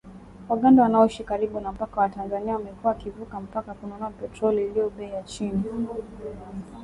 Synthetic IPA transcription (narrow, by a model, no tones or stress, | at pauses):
waɠandawanaɔuʃikaɾiɓunam̩pakawatanzaniawamɛkuwakivukam̩pakakunɔnɔapɛtɾɔliːlijɔɓɛjat͡ʃini